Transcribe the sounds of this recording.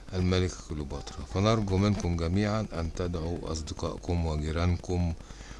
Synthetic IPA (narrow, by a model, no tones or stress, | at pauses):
ʔælmælɪkkolːbɑt̪ˤɾˤɑfænɑɾˤɡumɪnkʊmɡæmiːʕanʔænt̪æd̪ʕuʔɑ̰sˤd̪eqɑ̰ːʔkomwɪɡɪɾænkʊm